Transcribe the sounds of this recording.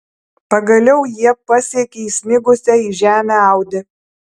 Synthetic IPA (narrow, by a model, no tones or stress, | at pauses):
pɐɡɐlʲɛʊjiɛpɐsʲiɛkʲeiːsʲnʲɪɡʊsʲɛiːʒʲæːmʲæɑˑʊd̪ʲɪ